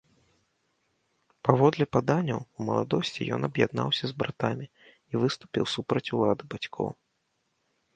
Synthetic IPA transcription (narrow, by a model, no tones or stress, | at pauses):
pavɔd̪lʲɛpad̪anʲːɐwumɐlˠa̰d̪ɔsʲt͡sʲḭjɔ̰nɐbjad̪na̰wsʲɐzbɾat̪amʲi | ivɨst̪u̥pʲḭwsupɾɐt͡sʲulˠad̪ɨbat͡sʲkʰɔ̰w